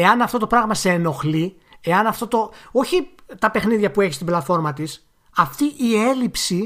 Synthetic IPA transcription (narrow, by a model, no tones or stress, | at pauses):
e̞ɐnɐft̪o̞t̪opɾɐɣmɐseːno̞xli | e̞ɐnɐft̪o̞t̪o̞o̞çit̪ɐpe̞xniðʝɐpue̞çist̪iblɐt̪fo̞ɾmɐt̪is | ɐft̪iʔie̞lipsi